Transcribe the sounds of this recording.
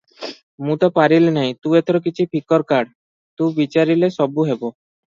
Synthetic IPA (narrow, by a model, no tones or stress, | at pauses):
mũt̪ɔpaɾilnajt̪ũet̪ʰɔɾok̬it͡ɕʰipʰikɔɾkaɽ | t̪ũbit͡ɕaɾileʃɔbuɦɛbo